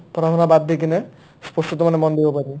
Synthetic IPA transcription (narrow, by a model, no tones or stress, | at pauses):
pɾaɦɔnabad̪ʱːik̬ine | spɔsʈ̪ut̪ɔmanemɔnd̪ebɔpaɾi